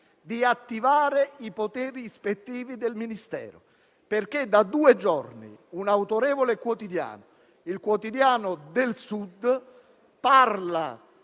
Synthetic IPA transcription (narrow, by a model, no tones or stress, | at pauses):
d̪iat̪ːivaːɾeipot̪ɛːɾispet̪ːiːvid̪elminist̪ɛ̰ːɾo̰ | perk̟ed̪ːad̪uːed͡ʒɔrnḭunawt̪oɾɛːvolekwot̪id̪ja̰ːnʊ | ilkwot̪id̪jaːnʊd̪elsud̪ | parla̰